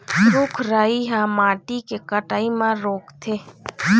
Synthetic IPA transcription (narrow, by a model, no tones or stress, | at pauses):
ɾʊkʰɾaːiɦãmaːʈikekəʈaːimãɾoːkt̪ʰeː